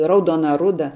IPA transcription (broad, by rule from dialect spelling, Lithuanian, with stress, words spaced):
ˈrɐʊdoːnɐ ˈrʊdɐ